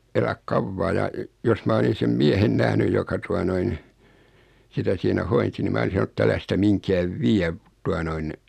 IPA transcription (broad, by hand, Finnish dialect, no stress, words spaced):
elæk kɑʋːɑː jɑ jos mɑ olisin sem miɛhen næhnyj jokɑ tuɑ noin sitæ siːnæ hoinsi ni mæː olisin̞ sɑn ĕtː ælæ sitæ miŋkæːʋ ʋiæ tuɑ noin